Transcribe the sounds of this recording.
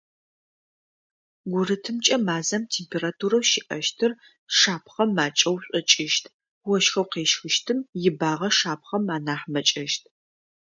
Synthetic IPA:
ɡʷʊrɨtʰɨmt͡ʃʼɐmaːzɐmtʰeːmpʰeːɾaːtʰuːɾɐwʃɪʔɐʃtʰɨr | ʂaːpʰχɐmːaːt͡ʃʼɐwɕʷʼɔt͡ʃʼɪʃtʰ | wɔʃxɐwqeːʃxɨʃtʰɨmjɪbaːʁɐʂaːp̚ʰχɐmaːnaːħmɐt͡ʃʼɐʃtʰ

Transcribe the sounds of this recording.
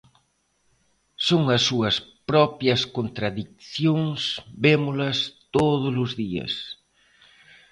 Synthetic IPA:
soŋɐsːuɐspɾɔpjɐskont̪ɾaðik̚θjoŋsbemʊlɐst̪oðʊlʊzðiɐ̰s

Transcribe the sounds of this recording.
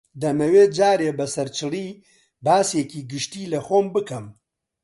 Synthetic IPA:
d̪ɐmɐweːd͡ʒaːɾeːbɐsɐɾt͡ʃʰɨriː | baːseːkiːɡɨʃt̪iːlɐxoːmbɨkɐm

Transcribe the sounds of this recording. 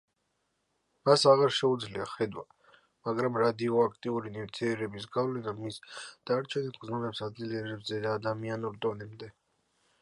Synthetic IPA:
masaʁaɾʃɛud̪zliaχɛd̪wa | maɡɾamɾad̪iɔakʰt̪ʼiuɾiniɾt̪ʰiɛɾɛbisɡavlɛnamisd̪̥aɾt͡ʃʰɛnisɡznunɛpsad̪ziliɛɾɛbzɛd̪aːd̪amianɔɾd̪ʼɔnɛmnd̪ɛ

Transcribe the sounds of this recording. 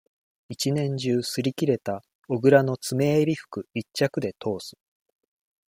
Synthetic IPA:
it͡ɕinẽ̞ɲ̟d͡ʑɨːsɨɾʲikʲiɾe̞t̪a | o̞ɡɯ̟ɾano̞t͡sɨme̞ːɾʲiɸɯ̟̥kɯ̟it͡ɕːakɯ̟d̪e̞t̪ʰo̞ːsɨ̥

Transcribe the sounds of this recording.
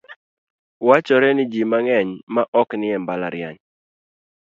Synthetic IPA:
wat͡ʃɔɾɛnɪd͡ʒimaŋɛɲmaʔɔknɪɛmbala̰ɾja̰ɲ

